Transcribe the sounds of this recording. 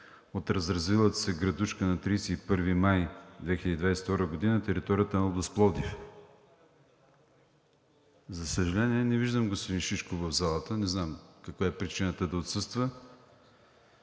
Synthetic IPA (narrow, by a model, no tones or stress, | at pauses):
ot̪ɾɐzɾɐzvilˠət̪sɛɡɾɐd̪uʃkənɐt̪ɾijsɛipɤɾvimajd̪vɛxilʲəd̪id̪vajsɛ̥ft̪ɔɾəɡod̪inət̪ɛɾit̪ɔɾijət̪ənlˠb̪əsplˠɔd̪if | zɐsəʒɐlɛniɛnɛviʒd̪əmɡospod̪inʃit͡ʃkʊvəvzalˠət̪ənɛznamkɐkvaɛpɾit͡ʃinət̪əd̪ɐot̪sɤst̪və